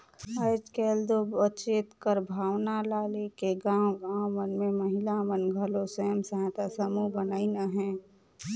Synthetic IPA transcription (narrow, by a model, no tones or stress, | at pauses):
əɪd͡ʒkeːld̪obət͡ʃet̪kəɾbʱaːwnalaːlekeɡãːwɡãːwmənmẽməɦɪlamənɡʱəlosəɦəmsəɦãt̪asəmubənaːinaɦɛ̃ː